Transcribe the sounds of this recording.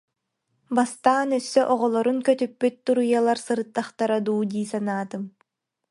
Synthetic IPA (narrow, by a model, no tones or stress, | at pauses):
bast̪aːnœsːœʔɔʁɔlˠɔɾuŋkœt̪ypːyt̪̚ːuɾɯjalˠaɾsɯɾɯt̪ːaχt̪aɾad̪uːd̪iːsanaːt̪ɯm